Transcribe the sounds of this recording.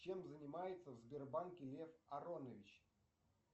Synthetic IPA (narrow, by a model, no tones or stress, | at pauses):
t͡ɕe̞mzənʲɪmajɪt̪səvzbʲɪrbankʲɪlʲe̞fɐɾonəvʲɪt͡ɕ